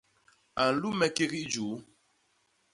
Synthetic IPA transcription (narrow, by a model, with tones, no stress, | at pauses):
a˨n̩˨lu˦mɛ˨˦ke˦ɣi˦d͡ʒuː˨˦